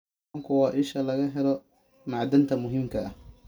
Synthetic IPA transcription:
ŋkʰʊwɑːʔɪʃɐlɐɣɐɦɛlɔ | maʕd̪ɐnt̪ʰɐmʊɦɪmkʰɐɐh

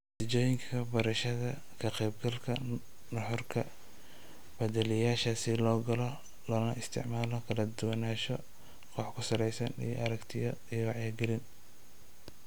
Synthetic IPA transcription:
t̪ɐt͡ʃɔːjɪŋkʰɐbɐɾɐʃɐðɐ | kʰɐqɛjbɡɐlkʰɐ | nɐħɔrkʰɐ | b̥ɐd̪ɛlɪjaːʃɐsɪlɔːɡɐlɔ | lɔːnɐɪst̪ʰɪ̰ʕmaːlɔkʰɐlɐd̪ʊwɐnaːʃɔ | qʰɔːħkʰʊsɐɾɛjsɐnḭjɔ̰ʔɐɾɐkt̪ʰɪjɔijwɑʕjaːɡɛlɪn

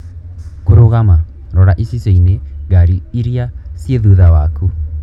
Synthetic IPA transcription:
koɾoɣama | ɾɔɾaʔisiseineɣaɾiiɾiasjeðuðawaku

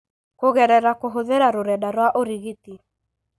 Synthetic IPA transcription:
koɣɛɾɛɾakoɦoðeɾaɾoɾɛdaɾwaʔoɾiɣiti

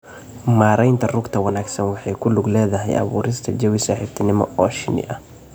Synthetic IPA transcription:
maːɾɛjnt̪ʰɐrʊɡt̪ʰɐwɐnaːɡsɐnwɑħɑjkʰʊlʊɡlɛːðɐɦɛ̰jʔɐ̰βṵːɾɪst̪ʰɐd͡ʒɐwɪsaːħɪbt̪ʰɪnɪmɔ̰ʔɔːʃɪ̰nɪ̰ʔɐ

